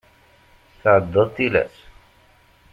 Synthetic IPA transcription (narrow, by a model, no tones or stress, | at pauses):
θəʕəd̪ːəðˤt̪ilæ̰s